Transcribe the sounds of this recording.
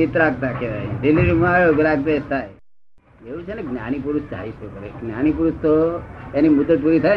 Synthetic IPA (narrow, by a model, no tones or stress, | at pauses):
it̪ɾakt̪akeɾa̰idilːiɾumaɭoɡɾakt̪aet̪aj | jeut͡ʃʰeneɡnja̰ɽ̃ipuɾust͡ʃa̰ɦit͡ʃʰekəɾḛɡnjaɽ̃ipuɾust̪ojanimut̪ət̪̚puɾit̪ʰa